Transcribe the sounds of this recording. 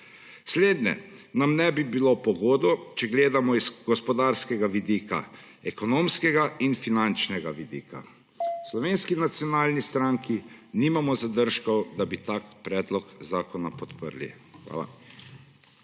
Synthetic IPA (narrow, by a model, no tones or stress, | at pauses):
sleːd̪nɛ̰namnɛbibilopɔɡoːd̪ɔt͡ʃɛɡleːd̪amɔizɡɔspɔd̪aɾskɛɡaʋid̪iːka̰ | ɛkɔnoːmskɛɡainfinant͡ʃnɛɡaʋid̪ḭːka̰ | slɔʋeːnskinat̪sjɔnaːlnist̪ɾaŋkiniːmamɔzad̪əɾʃkɔwd̪abit̪aːkpɾɛːd̪lɔkzaːkɔnapɔt̪pə̰ɾlḭ | xʋa̰ːla̰